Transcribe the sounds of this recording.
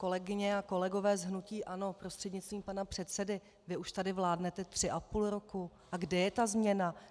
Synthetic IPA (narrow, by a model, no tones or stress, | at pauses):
ko̞lɛɡɪɲɛako̞lɛɡo̞vɛːzɦnuciːʔano̞pɾo̞st̪r̥ɛdɲɪtt͡st̪viːmpanapr̝̥ɛt̪t͡sɛdɪ | vɪʔuʃt̪adɪvlaːdnɛt̪ɛt̪r̝̥ɪʔapuːlɾo̞ku | ʔaɡdɛjɛt̪azmɲɛna